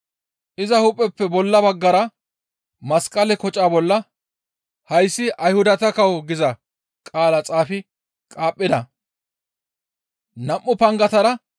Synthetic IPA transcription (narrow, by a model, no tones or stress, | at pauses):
ʔɪzɐhʊpʼːɛpːɛbɔlːɐbɐɡːɐɾɐ | mɐskʼɐlɛkɔt͡ʃʼːaːbɔlːɐ | hɐjsːɪɐjhʊd̪ɐt̪ɐkɐwɡɪzɐ | kʼaːlɐt͡sʼaːfɪ | kʼaːpʼːɪd̪ɐ | nɐmʔːʊpɐŋɡɐt̪ɐɾɐ